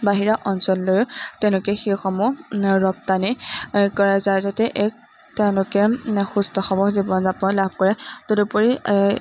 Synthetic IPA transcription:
baɦiɹaʔɔnsɔlːojʊtɛʊ̃lʊkɛxixɔmʊɹɔp̚tanikɔɹazajzɔtɛʔɛk̚ | teʊ̃lʊkɛxustɔxɔmɔxzibɔnzabɔlab̚ʱkɔɹɛtʊdupɔɹi

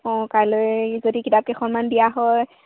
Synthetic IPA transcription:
ɔ̃kaɹlojzodikitap̚kexɔnmandijaɦɔj

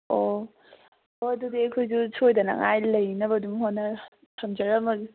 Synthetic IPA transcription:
o | oɐdudiɐkʰojzusʰojdɐnɐ̰ŋajlɐjnɐbɐduŋhonːɐ | tʰɐmd͡ʒɐɾɐmɐɡi

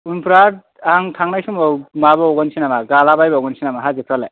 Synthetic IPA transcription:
unpɾaɾ | aŋtʰaŋnajsumɔmabɔɔɡɔnsʰinamaɡalabajbɔɔɡɔnsʰinamaɦazekʰɾala

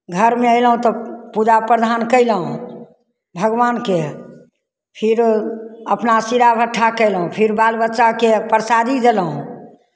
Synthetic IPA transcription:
ɡʱəɾmeəɪləɦũt̪ɔpud͡ʒapɾəd̪ʱankəɪləɦũ | bʱəɡʋanke | pʰiɾəpnasiɾabʱəʈʰːakəɪlɦũpʰiɾbalbətːʃakepəɾsad̪ʱid͡ʒeləɦũ

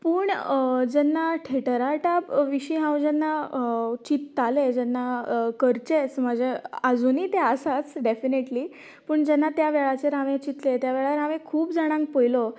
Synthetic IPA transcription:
puːɳd͡ʑɛnːaʈʰeʈəɾaʈapʋiɕiɦãwd͡ʑɛnːat͡ɕit̪ːaled͡ʑɛnːakəɾt͡ɕet͡sməd͡ʑʱead͡zuniːt̪easat͡sɖefineʈliː | pəɳd͡ʑɛnːat̪jaʋɛɭat͡ɕeɾaʋẽt͡ɕit̪let̪jaʋɛɭaɾaʋẽkʰuːpd͡zaɽ̃ãŋk̚pojlo

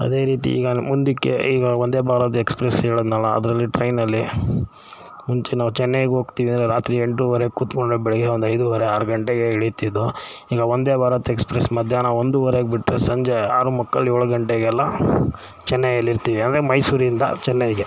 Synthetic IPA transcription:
ɐ̰d̪e̞ːɾiːt̪̬ḭḭːɡɐmund̪ikːḛiːɡɐond̪e̞ːbʱaːɾɐt̪̬ɐekspɾesɦeːɭod̪naːlɐɐ̰d̪ɾɐlːiʈɾɐjnɐlːi | muɲt͡ʃenaːʋut͡ʃɛnːeɡeɦo̞ːɡt̪iːʋiɐnd̪ɾeɾaːt̪ɾieɳʈuʋɐɾekuːt̪koɳɖobɛɭɛɡeond̪uɐjd̪uʋɐɾeaːɾɐɡɐɳʈeɡeɦiɭit̪id̪ːo | iːɡɐond̪eːbʱaːɾɐt̪ɐekspɾesmɐd̪ʱjaːnɐo̞nd̪uʋɐɾeɡbiʈːɾesɐɲd͡ʒeaːɾumɐkːɐlːoːɭuɡɐɳʈeɡɛlːɐ | t͡ʃɛnːeɡɐlːiɾt̪iːʋiɐnd̪ɾemɐjsuːɾiind̪ɐ̰t͡ʃɛnːeɡe

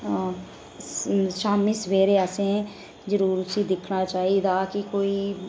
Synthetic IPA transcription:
ʃaːmiːsəʋeːɾeːəsẽː | d͡ʒəɾuːɾʊsiːd̪ɪkʰnaːt͡ʃaːiːd̪aːkɪkoːiː

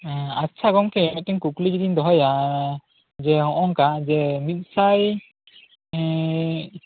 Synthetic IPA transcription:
atːt͡ʃʰaɡɔŋkɛɛmɛt̪̚t̪ɛŋkukliɡid̪ind̪ɔɦɔja | d͡ʒɛɦɔ̃ʔɔŋkad͡ʒɛmit̪̚ˀsaj

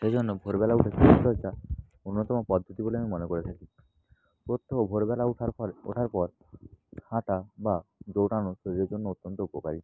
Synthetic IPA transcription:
ʃed͡ʑonːobʱoɾbɛlauʈʰekʰit̪ɔd͡ʒa | onːot̪ɔmopɔd̪ʱːot̪iboleamimonekoɾet̪ʰaki | pɾot̪ʰːoobʱoɾbɛlaʈʰao̰ʈʰaɾpɔɾ | haʈabad͡ʒowʈanoʃoɾieɾd͡ʒonːout̪ːɔnt̪oupoka̰ɾi

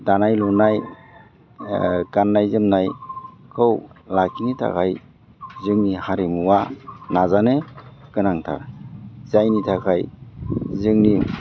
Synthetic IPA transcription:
danajlɔnaj | kanːajzɯmnajkʰɯwlakʰinitʰa̰kʰaj | zɯŋnihaɾimuwanazanekɯnaŋtʰa̰zajnitʰakʰaj | zɯŋni

